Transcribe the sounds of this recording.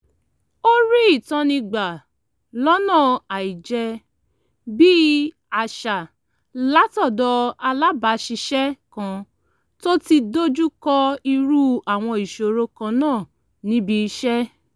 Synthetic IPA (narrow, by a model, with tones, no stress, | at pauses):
o˦ɾi˦i˦˨tã˧nĩ˧ɡ͡ba˨ | lɔ˦nã˦˨a˨i˨d͡ʒɛ˧ | bi˦ | a˨ʃa˨ | la˨˦tɔ˦˨dɔ˧a˧la˦ba˨˧˦ʃi˧ʃɛ˦kã˧ | to˦ti˧do˦d͡ʒu˦kɔ˧i˧ɾu˦a˦˨w̃ɔ̃˧i˨ʃo˨ɾo˧kã˧˦nãː˦˨ | nĩ˦bi˧ʃɛ˦